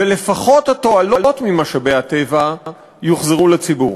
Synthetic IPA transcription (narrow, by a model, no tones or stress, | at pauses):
velefaχo̞that̪o̞alolo̞t̪mimaʃabeat̪eva | joχzeʁulet͡sibuʁ